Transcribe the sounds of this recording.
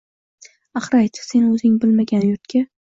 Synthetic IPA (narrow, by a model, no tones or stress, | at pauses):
aχɾajt͡ʃʰse̞nɵzɪŋbɪlmaɡʲanjʊɾt̪kʲa